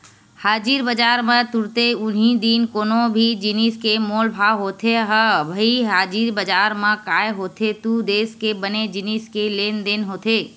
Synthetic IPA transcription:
haːd͡ʒiːɾbəd͡ʒaːɾmẽt̪ʊɾt̪eʊnɦid̪iːnkoːnõbʱid͡ʒɪniːskemoːlbʱaːwɦoːt̪ʰeɦəbəiɦaːd͡ʒiːɾbəd͡ʒaːɾmẽkaːjɦoːt̪ʰet̪ud̪eːskebəned͡ʒɪniskeleːnd̪eːnɦoːt̪eː

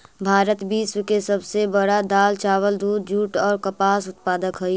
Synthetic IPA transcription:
bʱaːɾət̪bʱiːswkesəbsebəɽad̪aːlt͡ʃaːwəld̪uːd̪̚d͡ʒʱuːʈɔːɾkəpaːsʊt̪̚paːd̪əkɦəi

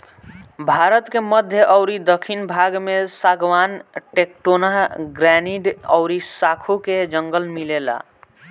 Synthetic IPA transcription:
bʱaɾət̪keməd̪ʱjəʔəʊɾid̪əkʰinbʱaɡmesaɡʋanʈekʈonəɦɡɾaniɖə̰ʊɾisakʰuked͡ʒəŋɡəlmilela̰

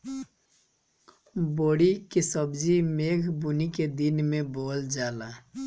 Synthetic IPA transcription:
boːɽikesəbd͡ʒimeːɡʱbuniked̪inmeboːld͡ʒaːla

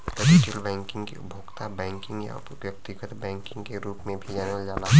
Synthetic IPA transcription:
pəskilbɛ̃ːŋkɪ̃ŋɡkḭʊbʱoːɡt̪abɛ̃ːŋkɪ̃ŋɡja̰ | ʋjəp̚t̪ɪɡət̪bɛ̃ːŋkɪ̃ŋɡkeɾuːpmẽbʱid͡ʒaːneʋald͡ʒaːla

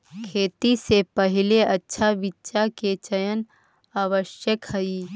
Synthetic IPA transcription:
kʰeːt̪isepɐɦɪleɐtːʃʰaʋitːʃaket͡ʃəjən | aːʋəʃjəkhɐi

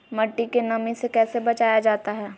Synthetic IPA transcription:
mɐʈːikenɐmĩsekɛːsebɐt͡ʃaːjad͡ʒaːt̪aɦɛː

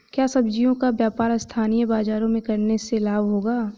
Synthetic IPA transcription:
kjaːsɐbd͡ʒijõkabjaːpaːɾst̪ʰaːnijəbaːzaːɾõmẽkɐɾneselaːbʱɦoːɡaː

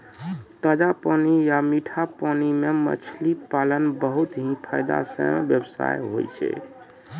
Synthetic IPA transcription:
t̪əd͡ʒapənijamiʈʰapənimemə̰t͡ʃʰlipalənbəɦut̪ɦĩpʰajd̪a̰sə̰mbjəbsa̰jɦojt͡ʃʰɛ̰

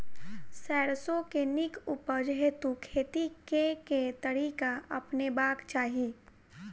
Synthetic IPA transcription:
sɛːɽsõkenɪkupəd͡ʒɦet̪ukʰeːt̪ikeket̪əɽiːkaɐ̰pnebaːkt͡ʃaːɦi

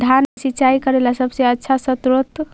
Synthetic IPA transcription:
d̪ʱanesiːt͡ʃaikəɾelasəbsẽətːʃʰasət̪ɾot̪

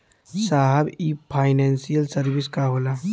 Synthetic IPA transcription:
saɦɛbipʰaːɪnɛːnsijəlsɐɾbiskaɦoːla

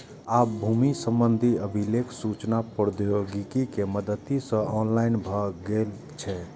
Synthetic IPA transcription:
abʱumisə̃mbənd̪ʱiəbʱilekʰsut͡ʃnapɾd̪joɡikikeməd̪ət̪isə̃ɔnlaɪnbʱəɡel | t͡ʃʰɛ

